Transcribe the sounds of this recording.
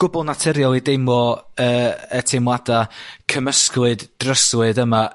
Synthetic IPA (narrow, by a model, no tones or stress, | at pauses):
ɡ̥ʊbɔlˠnatʰɛɾjɔlˠidejmɔəːətʰemwadakʰəməskwɨdd̥rəswɨðəma